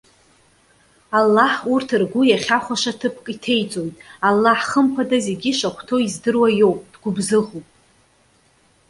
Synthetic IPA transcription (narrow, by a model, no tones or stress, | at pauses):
alːaħurtʰɨrɡʷʊjaχʲaχʷaʃatʰɨpʰkʼitʰe̞jt͡sʼo̞jtʼalːaħχəmpʰadaze̞ɡʲiʃakʷʰtʰo̞izdɨrwajo̞wpʼd̥ɡʷʊbzɨʁupʼ